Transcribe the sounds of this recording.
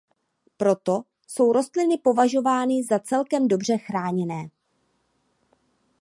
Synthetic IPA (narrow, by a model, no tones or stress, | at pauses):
pɾo̞t̪o̞ | so̞wɾo̞st̪lɪnɪpo̞vaʒo̞vaːnɪzat͡sɛlkɛmdo̞br̝ɛxɾaːɲɛnɛː